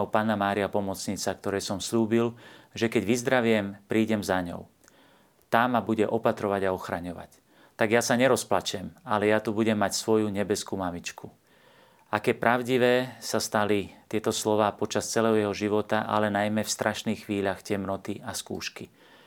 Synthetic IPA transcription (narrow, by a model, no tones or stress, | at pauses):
ɔpaːnamaːɾiapɔmɔt͡sɲit͡sakt̪ɔɾɛjsɔmsʎuːbilʒɛkɛɟʋizd̪ɾaʋɪɛmpɾiːɟɛmzaɲɔ̰ʊ | t̪amːabuɟɛʔɔpat̪ɾɔʋaɟaɔxɾaɲɔʋa̰c | t̪aɡjasaɲɛɾɔsplat͡ʃɛmalɛjat̪ubuɟɛmːacsʋɔjuɲɛbɛskumamit͡ʃkʰu | akɛːpɾʔaʊɟiʋɛːsast̪alit̪ɪɛt̪ɔslɔʋaːpɔt͡ʃast͡sɛlɛːɦɔjɛɦɔʒiʋɔt̪aʔa̰lɛnajmɛfst̪ɾʔaʃniːxxʋiːʎaxcɛmnɔt̪iaskṵːʃki